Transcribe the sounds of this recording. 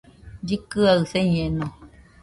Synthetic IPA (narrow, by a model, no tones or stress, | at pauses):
dikɨaɣsɛɲɛnɔ